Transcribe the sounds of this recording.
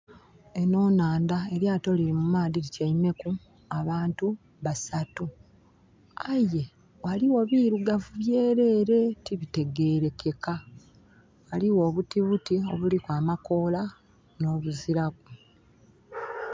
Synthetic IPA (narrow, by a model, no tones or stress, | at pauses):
e̞no̞ːnaːndae̞ɾjaːto̞liɾimumaːðiɾicaime̞ku | aβaːntu | βasatu | aje̞ | waliwo̞βiːɾuɡavuβje̞ːɾe̞ːɾe̞tiβite̞ɡe̞ːɾe̞ke̞ka | waliwo̞ːβutiβutio̞̰βulikwaːmako̞ːla | no̞ːβuziɾak̚u